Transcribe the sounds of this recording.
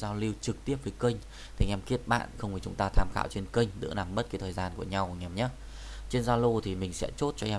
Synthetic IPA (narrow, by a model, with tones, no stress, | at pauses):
zaː˧wli˧wt͡ɕɨ˨˩k̚t̪i˦˥əp̚vəː˨˦jkə˧jŋ̟ | t̪ʰi˨˩ŋʔɛ˧mki˦˥ət̚ɓa̰ː˧˨nxə˧wŋ͡mvi˨˩t͡ɕʊ̰˨˦ŋ͡mt̪aː˧t̪ʰaː˧˩mxaː˧˨wt͡ɕe˧nkə˧jŋ̟zɨ̰˧˥əna˨˩mɓə˦˥t̚kaː˨˦jt̪ʰəː˨˩jzaː˧nku˧˩əɲa˧wkŋɛ˧˩mɲa˨˦˥ | t͡ɕe˧nzaː˧lo˧t̪ʰi˨˩mï˨˩ŋ̟sɛ̰˧˥t͡ɕo˦˥t̚t͡ɕɔ˧ʔɛ˧